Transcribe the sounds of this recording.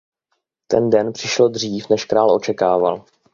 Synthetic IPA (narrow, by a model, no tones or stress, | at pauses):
t̪ɛ̰ndɛnpr̥ɪʃlo̞d̪r̝iːfnɛʃkɾaːlʔo̞t͡ʃɛkaːva̰l